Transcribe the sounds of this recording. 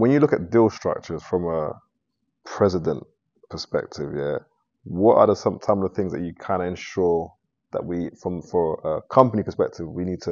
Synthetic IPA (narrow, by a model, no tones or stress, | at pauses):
wə̃njəlʊkət̚d̥ɪlˠstɹ̥ʌ̰k̚t͡ʃə˞z̥fɹə̃mə | pʰɹ̥ɛzɪdə̃n | pʰəspɛ̰k̚tʰɪvjæ | wɒtə̰ðəsʌ̃msãməðəθɪ̃ŋzðət͡ʃəkʰə̃nɛ̃nʃɔɹ | ðə̰ʔwifɹə̃mfəəkʰʌ̃mpənipʰəspɛk̚tʰɪvwiniːd̚tʰə